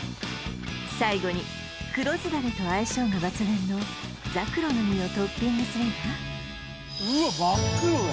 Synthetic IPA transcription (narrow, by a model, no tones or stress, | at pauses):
saiɡo̞ɲ̟i | kɯ̟ɾo̞zɨd̪aɾɯt̪o̞aiɕo̞ːŋabat͡sɨbẽ̞nːo̞ | d͡zakɯ̟ɾo̞no̞mʲio̞t̪o̞pʲːĩɲːisɨɾɯŋka | ɯbakɯ